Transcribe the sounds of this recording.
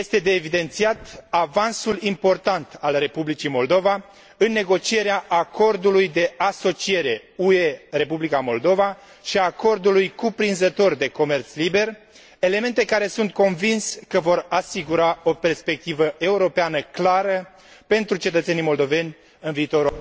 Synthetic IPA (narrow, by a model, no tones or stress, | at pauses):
jest̪e̞d̪e̞ːvid̪e̞nt̪siat̪avansulimpo̞rt̪ant̪alre̞publit͡ʃimo̞ld̪o̞va | ɨnːe̞ɡo̞t͡ʃie̞ɾeaʔakʰo̞rd̪ulujd̪e̞ʔaso̞t͡ʃije̞ɾe̞uere̞publikamo̞ld̪o̞va | ʃiako̞rd̪ulujkupɾinzət̪o̞rd̪e̞ko̞me̞rt̪slibe̞r | e̞le̞me̞nt̪e̞kaɾe̞sunt̪̚ko̞nvinskəvo̞ɾasiɡuɾao̞pe̞rspe̞k̚t̪ivəe̞uɾo̞peanəklaɾə | pe̞nt̪ɾut͡ʃe̞t̪ət̪senijmo̞ld̪o̞ve̞nʲ | ɨnviːt̪o̞ɾ